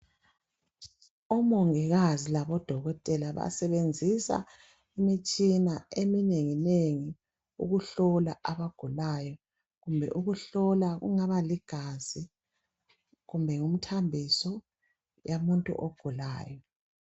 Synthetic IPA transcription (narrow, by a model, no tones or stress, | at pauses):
ɔmɔŋiɣazilaβɔd̥ʱɔɣɔtʼɛlaβa̰sɛβend͡zʱisa̰ | imit͡ʃʼinaemineŋineŋi | ṵɣuɬɔlaʔaβaɡ̥ʱulajɔ | ɣumbʱɛ̰ʔuɣuɬɔlaɣṵŋaβaliɡ̥ʱaz̥i | ɣumbʱɛŋum̩tʰambʱisɔ | jamuntʼṵʔoɡ̥ʱula̰ːjɔ